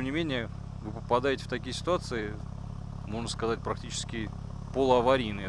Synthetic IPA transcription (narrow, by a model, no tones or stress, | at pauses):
emnʲɪmʲenʲɪjə | vɨpəpɐd̪ajɪtʲɪ̥ft̪ɐkʲijəsʲɪ̥t̪ʊat̪sɨɪ | mo̞ʐnəskɐzat̚ʲpɾɐk̚tʲit͡ɕɪ̥skʲɪpolˠəɐvɐɾʲijnɨj